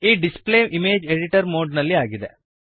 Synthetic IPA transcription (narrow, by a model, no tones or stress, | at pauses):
iːɖispleːʔimeːd͡ʒeɽiʈɐɾmoːɖnɐlːiaːɡid̪ḛ